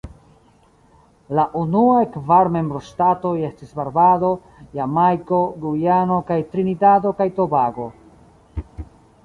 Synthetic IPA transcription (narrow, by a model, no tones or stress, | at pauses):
laʔunuakvaɾme̞mbɾostato̞je̞stisbaɾbado̞ | jamajko̞ɡujano̞kajtɾinidado̞kajto̞baɡo̞